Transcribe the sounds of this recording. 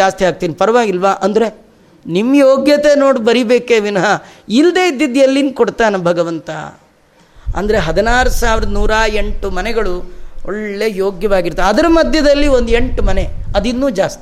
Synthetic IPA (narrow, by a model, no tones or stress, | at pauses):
aːst̪iaːɡ̚t̪iːnipɐɾɐʋaːɡilʋaːʔɐnd̪ɐɾe̞ | nimːjoːɡjɐt̪e̞noːɽibɐɾibeːkeːʋinɐɦɐild̪e̞ːid̪ːid̪jɐlːinkoɽt̪aːnebʱɐɡɐʋɐnt̪ɐ̰ | ɐ̰nd̪ɐɾe̞ɦɐd̪ɐnaːɾusaːʋiɾɐd̪ɐnuːɾaːeɳʈumɐnɛɡɐɭuoɭːe̞ːjoːɡjɐʋaːɡiɾt̪ːeɐd̪ɐɾɐmɐd̪ʱjɐd̪ɐlːiond̪e̞ɳʈumɐneɐd̪inːuːd͡ʒaːst̪i̥